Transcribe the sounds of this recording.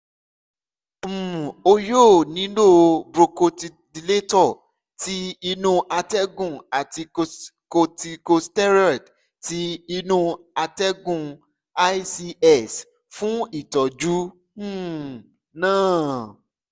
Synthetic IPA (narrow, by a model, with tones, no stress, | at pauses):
m̩̃˨o˧joː˦˨nĩ˨˦lo˦˨bɾo˧ko˧ti˧ | di˧le˦tɔ˦˨ | ti˦i˧nũ˧ʔa˧tɛ˦ɡũ˦˨a˨ti˧ko˧ti˧ko˧stɛ˦ɾɔ˦˨d | ti˦i˧nũ˧ | a˧tɛ˦ɡũ˦˨ | a˦jsi˧ɛ˦˨s | fũ˦i˦˨tɔ˨d͡ʒũ˨˦˨ | nãː˦˨